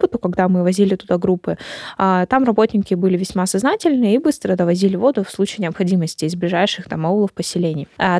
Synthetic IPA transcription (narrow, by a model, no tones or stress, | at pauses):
pət̪ʊkɐɡd̪amɨvɐzʲilʲɪt̪ʊd̪aɡɾupːɨat̪amrɐbo̞tʲnʲɪkʲɪbɨlʲɪvʲɪsʲmasɐznatʲɪlʲnɨibɨst̪ɾəd̪əvɐzʲilʲɪvo̞d̪ʊfslˠut͡ɕɪːnʲɪɐpxɐdʲiməsʲtʲɪːzblʲɪʐajʂɨxt̪amɐulˠəfpəsʲɪlʲenʲɪj